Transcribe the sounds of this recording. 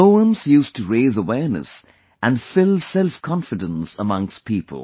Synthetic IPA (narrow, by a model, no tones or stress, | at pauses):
oʊə̃mz̥jʉstɨɹeɪzəwɛɹnɨ̰s | ʔɨ̃nfɪlˠsɛlˠfkʰɑ̃nfɨdə̃nsəmʌ̃ŋkstpʰiːpʰə̰l̩ˠ